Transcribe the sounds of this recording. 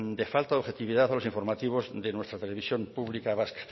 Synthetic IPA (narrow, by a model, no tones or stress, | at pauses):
d̪e̞falt̪aoxe̞t̪iβiðaθalosiɱfo̞ɾmat̪iβ̞o̞zd̪enwe̞st̪ɾat̪e̞le̞βisjo̞mpuβlikaβaskt̪